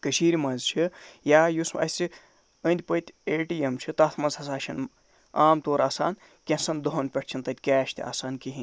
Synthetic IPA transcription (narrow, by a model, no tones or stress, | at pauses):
kəʃiːɾʲimɐnzt͡ʃʰijaːjusmɐ̰sʲt͡si | ənd̪ʲpət̪ʲeːʈijemt͡ʃʰit̪ɐt̪ʰmɐnzɐsaːʃʰɐn | aːmt̪oːɾaːsa̰ːn | kʲẽsɐnd̪oɦonʲpʲɐʈ̚ʰʲt͡ʃʰint̪ɐt̪ʲkʲaːʃt̪ʲʰa̰ːsaːnkiɦinʲ